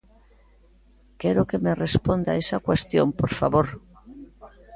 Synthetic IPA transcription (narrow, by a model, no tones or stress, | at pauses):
keɾokemerespond̪a̰esakwest̪jompoɾfaβoɾ